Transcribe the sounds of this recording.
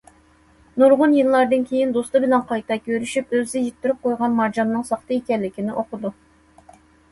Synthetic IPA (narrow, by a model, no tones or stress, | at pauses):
nuɾʁʊnjɨlːˠɑɾd̪ɨnkʲʰejind̪ost̪ɨbɪlɛnqʰɑjt̪ʰɑkʲʰøɾyʃypøzɪjit̪ʰːyɾyp̚qojʁɑnmɑɾd͡ʒɑmnɨŋsɑχt̪ɨekʲɛlːɪkʲinɪʔoqʊd̪u